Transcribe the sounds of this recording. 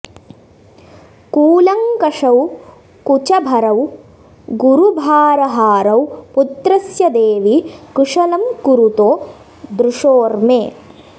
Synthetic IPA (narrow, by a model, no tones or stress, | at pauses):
kuːlɐŋkɐʂɐw | kut͡ʃɐbʱɐɾɐw | ɡuɾubʱaːɾɐɦaːɾɐwput̪ɾɐsjɐd̪eːʋikɾuʂɐlɐmkuɾut̪oː | d̪ɾuʂoːɾmeː